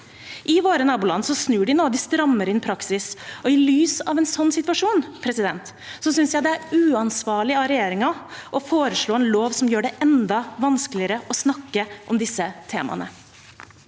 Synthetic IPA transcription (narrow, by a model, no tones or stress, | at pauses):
ʔɪʋoːɾənɑːbʊlɑ̰nsɔsnʉːɖɪnoːd̪ɪst̪ɾɑmːəɾɪnpʰɾɑksɪsɔɪlyːsɑ̰ʋɛnsɔnːsɪt̪ʋɑʂuːnpʰɾɛsɪd̪ɛnt̪ | sɔsʏnsjæɪd̪ɛæɾʉːɑnsʋɑːɭɪɑɾɛjeːɾɪŋɑʔɔfoːɾəʂɭoːɛnloːʋsɔmjøːɖɛʔɛnd̪ɑʋɑnskəlɪəɾəʔɔsnɑkːəʔɔmd̪ɪsːət̪ʰḛːmɑ̰nə̰